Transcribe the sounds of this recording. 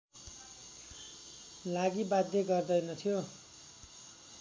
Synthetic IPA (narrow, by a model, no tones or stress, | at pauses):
laɡibad̪ʱjeɡʌrd̪ʌjnʌt̪ʰijo